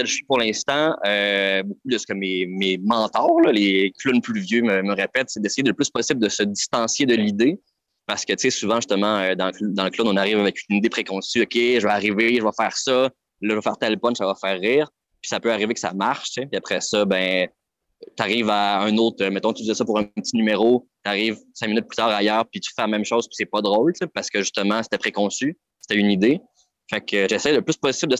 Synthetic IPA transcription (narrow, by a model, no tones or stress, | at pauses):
ɛli̥puʁlɛ̃st̪ɑ̃øbok̚ud̪əsə̥kəmememɑ̃ːt̪ɑːʁlʌleklʊnplyvjøməməʁepɛt̪sed̪ɛsejɪd̪ələplyspɔsɪbld̪əsəd̪ist̪ɑ̃sjed̪əlid̪e | paʁsə̥kʲət̪t͡sesuvɑ̃ʒyst̪əmɑ̃ød̪ɑ̃ləkld̪ɑ̃ləklonɔ̃naʁiːvavɛkynnid̪epχekɔ̃syɔkʲeʒəvəaʁiveʒəvɔfɛːʁsʌ | lɔʒəvɔfɛːʁt̪ɛlpɔnsavɔfɛːʁːiːʁ | pi̥sapøaʁivekə̥sa̰maʁʃtt͡sepiapχɛsʌbɛ̃ | t̪aʁiːvaɛ̃nɔʊt̪χømɛt̪ɔ̃kt̪yvizɛsɔpuʁɛ̃pətt͡sinymeʁot̪aʁiːvsɛ̃minʏt̪̚plyt̪ɑːʁajœːʁpit̪y̥fɛlamɛ̃mʃoʊz̥pi̥sɛpɔd̪ʁoʊltt͡sepaʁsə̥kʲəʒyst̪əmɑ̃se̥t̪ɛpχekɔ̃sy | se̥t̪ɛynid̪e | fakʰøʒɛsɛjləplyspɔsɪbld̪ə